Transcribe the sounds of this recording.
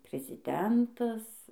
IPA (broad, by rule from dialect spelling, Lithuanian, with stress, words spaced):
pʲrʲɪzʲɪˈdʲɛntɐs